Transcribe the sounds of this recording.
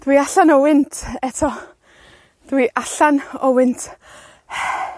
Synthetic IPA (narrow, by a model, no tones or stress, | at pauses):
d̥wiaɬanɔwɪntʰɛtʰɔ | d̥wiʔaɬanɔwɪntʰ